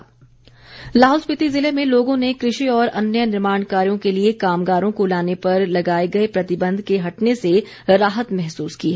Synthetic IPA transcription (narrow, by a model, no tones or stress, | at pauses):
laːɦɔːlspɪt̪izɪlemẽloːɡõnekɾɪʃiɔːɾɐnjənɪɾmaːnkaːɾijõkeliekaːmɡaːɾõkolaːnepɐɾlɐɡaːeɡɐepɾɐt̪ɪbə̃nd̪ʱkeɦɐʈnese | ɾaːɦət̪mɛɦsuːskiɦɛ